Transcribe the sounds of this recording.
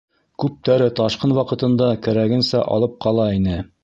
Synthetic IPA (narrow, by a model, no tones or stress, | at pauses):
kʉp̚t̪æɾɘt̪ɑʃqɤnwɑqɤ̆t̪ɤ̆nd̪ɑkæɾæɡɘ̆nsæʔɑ̰lˠɤp̚qʰɑlˠɑinɘ